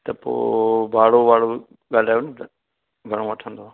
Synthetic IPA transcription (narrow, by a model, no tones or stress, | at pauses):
t̪ɐpo̰ːbaːɽoːʋaːɽoː | ɠaːl̤aːjoːn | ɡʱɐɽ̃õːʋɐʈʰə̃nd̪oː